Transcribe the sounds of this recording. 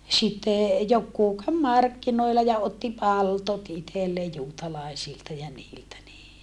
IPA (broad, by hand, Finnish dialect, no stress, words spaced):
sitːe jokːuː kæʋ mɑrkːinoilːɑ jɑ otːi pɑltot itelːeː juːtɑlɑˑesiltɑ jɑ niːltæ niː